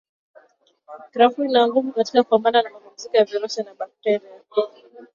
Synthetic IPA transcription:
kɾafuinaŋɡuvukatikakupambananamapum̩zikɔjavɛɾɔʃanaɓak̚tɛɾia

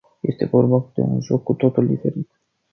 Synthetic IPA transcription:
je̞st̪e̞vo̞rbad̪̥e̞̰ṵnʒo̞kːut̪o̞t̪uld̪ife̞ɾit̪

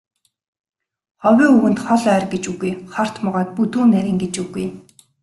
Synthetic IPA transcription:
χɔwʲiːuwɘ̆nt̪χɔɮœːrɡet͡ɕuɣujχɔr̥t̪mɔʁɔːt̪̚put̪uːnæɾʲiːŋɡet͡ɕuɣuj

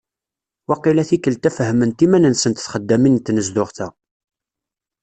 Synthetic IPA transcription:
wɑqilæθikːəlt̪æfəɦəmənt̪imænənsənt̪θχəd̪ːæmint̪nəzd̪ʊʁθæ

